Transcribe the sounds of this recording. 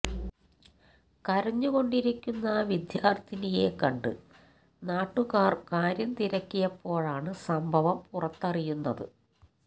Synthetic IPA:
kɐɾɐɲːuɣo̞ɳɖiɾikʲːunːɐʋid̪jaːrd̪ʱinije̞kɐɳɖɨ̰ | naːʈːuɣaːrkaːɾjɐmt̪iɾɐkʲːijɐpːo̞ːɻaːɳɨsɐmbʱɐʋɐmpurɐt̪ːɐrijunːɐðɨ̰

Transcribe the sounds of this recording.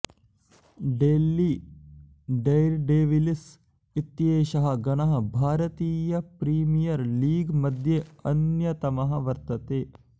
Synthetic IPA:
ɖeːlːi | ɖejɾɖeːʋilis | it̪jeːʃɐɦɐ̆ɡɐnɐɦɐ̆bʱaːɾɐt̪iːjɐpɾiːmijɐɾliːɡmɐd̪ʱjeɐnjɐt̪ɐmɐɦɐʋɐɾt̪ɐt̪eː

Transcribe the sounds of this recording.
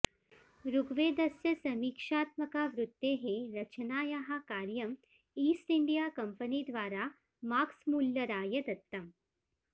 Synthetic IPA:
ɾuɡʋeːd̪ɐsjɐsɐmiːkʂaːt̪mɐkaːʋɾut̪ːeːɦeɾɐt͡ʃɐnaːjaɦɐ̆kaːɾjɐm | iːsʈiɳɖijaːkɐmpɐniːd̪ʋaːɾaː | maːksmuljɐɾaːjɐd̪ɐt̪ːɐm

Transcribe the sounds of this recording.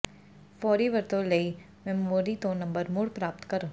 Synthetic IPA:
fɔːɾiʋɐɾt̪õlɐi | mɛmoːɾit̪õːnːɐ̃mbəɾmʊɽpɾaːp̚t̪kɐɾõ

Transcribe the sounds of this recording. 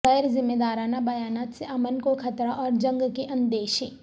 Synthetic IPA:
ɛjɾzɪmːeːd̪aːɾaːnabɐjaːnaːt̪seʔɐmənkokʰɐt̪ɾaʔɔːɾd͡ʒɐ̃ŋɡkeʔɐ̃nd̪eːʃeː

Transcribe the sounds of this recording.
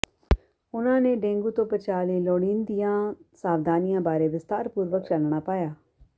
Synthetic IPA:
ʊnãːneːɖẽːŋɡuːt̪õːpət͡ʃaːliːloːɽiːnd̪ɪjãːsaːʋd̪aːnɪjãːbaːɾeːʋɪst̪aːɾpuːɾʋəkt͡ʃəlɳ̃aːpaːjaː

